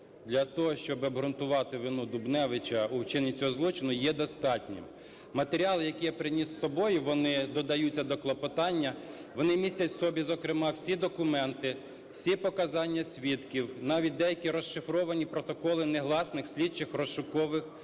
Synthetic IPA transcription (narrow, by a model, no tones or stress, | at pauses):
d̪lʲɐt̪ɔɦɔʃt͡ʃɔbɪɐbɦɾʊnt̪ʊʋɑt̪ɪʋɪnud̪ʊbnɛʋɪt͡ʃɐuwt͡ʃɪnit͡sʲɔɦɔzlˠɔt͡ʃɪnʊjɛd̪ɔst̪ɑtʲnʲɪ̰m | mɐt̪eɾʲiɑlˠɪjɐkʲijɛpɾɪnʲissɔbɔjʊʋɔnɪd̪ɔd̪ɐjut͡sʲːɐd̪ɔklˠɔpɔt̪ɑnʲːɐʋɔnɪmʲisʲtʲɐtʲsɔbʲizɔkɾɪmɑwsʲid̪ɔkʊmɛnt̪ɪ | wsʲipɔkɐzɑnʲːɐsʲʋʲit̪kʲiwnɑʋʲit̚ʲd̪ɛjɐkʲiɾɔʃɪfɾɔʋɐnʲipɾɔt̪ɔkɔlˠɪneɦlˠɑsnɪxsʲlʲit͡ʃːɪxrɔʃʊkɔʋɪx